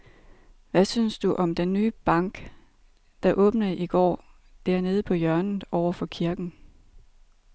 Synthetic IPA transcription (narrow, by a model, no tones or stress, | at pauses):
ʋæsynsd̥uʔɒ̽md̥enːyːb̥ɑ̈ŋ̰ɡ̥ | d̥ɑ̈ʔɔ̽ːb̥nəʔiɡ̥ɒ̰ː | d̥æɐ̰ne̝ːð̞ˠəpʰɒ̽jœɐn̩ˠɒʊɐfɒ̽kʰiɐɡ̥n̩